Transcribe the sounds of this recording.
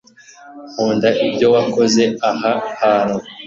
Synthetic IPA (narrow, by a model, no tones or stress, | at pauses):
huːndaʔibɟo̞wako̞ze̞aɦahano